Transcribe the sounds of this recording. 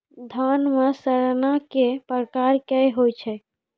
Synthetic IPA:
d̪ʱanmesəɾnakepəɾkaɾkɛɦojt͡ʃʰɛ

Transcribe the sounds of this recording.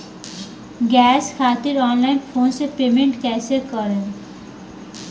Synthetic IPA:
ɡɛːskʰaːt̪ɪɾɔːnlaːɪnpʰoːnsepeːmẽɳʈkɛːsekəɾẽ

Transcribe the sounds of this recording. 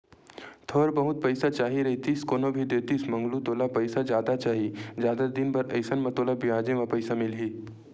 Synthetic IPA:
t̪ʰoːɾbɐɦʊt̪̚pɐɪsat͡ʃaːɦiɾɐɦit̪iskoːnobʱid̪eːt̪ismɐŋɡlut̪oːlapɐɪsad͡ʒjaːd̪at͡ʃaːɦid͡ʒjaːd̪ad̪ɪnbɐɾɐɪsənmɐt̪oːlabijaːd͡ʒẽmɐ̃pəɪsamɪlɦiː

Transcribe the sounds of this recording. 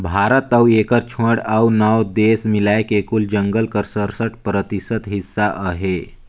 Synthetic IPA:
bʱaɾət̪əwekəɾt͡ʃʰəɽawnəwd̪esmilaekekuld͡ʒəŋɡəlkəɾsəɾsəʈpɾət̪isət̪ɦisːaʔəɦe

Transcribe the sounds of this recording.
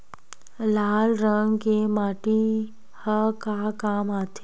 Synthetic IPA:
laːlɾəŋɡkemaːʈi | həkakaːmaːt̪ʰe

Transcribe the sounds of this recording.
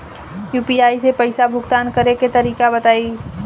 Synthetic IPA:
juːpiaːisepəɪsabʱʊɡt̪aːnkəɾeket̪əɾiːkabət̪aːi

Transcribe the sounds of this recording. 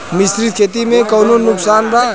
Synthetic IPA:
misɾid̪̚kʰet̪imẽkəwnonʊksaːnba

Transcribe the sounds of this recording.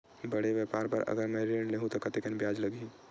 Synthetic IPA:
bəɽeʋjəpaːɾpəɾə̰ɡəɾmɛ̃ɾeːɳleːɦũt̪okɐt̪ekənbjaːd͡ʒləɡi

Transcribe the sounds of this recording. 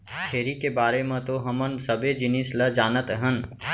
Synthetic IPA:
k̪ʰeːɾikebaːɾemẽt̪oɦəmənsəbed͡ʒɪnisləd͡ʒaːnət̪ɦən

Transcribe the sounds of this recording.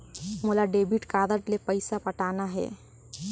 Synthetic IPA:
moːlaɖeːbʱiʈkaːd̪əɾʈlepəɪsapəʈaːnaɦɛ̰ː

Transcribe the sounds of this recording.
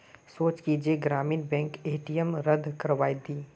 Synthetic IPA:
soːt͡ʃkid͡ʒeɡɾaːmiːnbɛ̃ːŋkeːʈijəmɾəd̪ʱkəɾʋaːid̪iː

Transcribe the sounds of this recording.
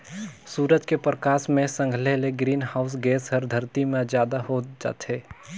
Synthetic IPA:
suːɾəd͡ʒkepɾəkaːsmẽsə̃ŋɡʱleɦleɡɾiːnɦaʊs̬ɡeːsɦəɾd̪ʱəɾt̪imẽzjaːd̪aɦod͡ʒa̰ːt̪ʰɦeː

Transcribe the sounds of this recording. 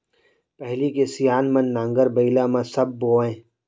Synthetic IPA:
pɛɦlikesijaːnmɐnːãːŋɡəɾbɐilaːmãsɐb̚ːoːẽː

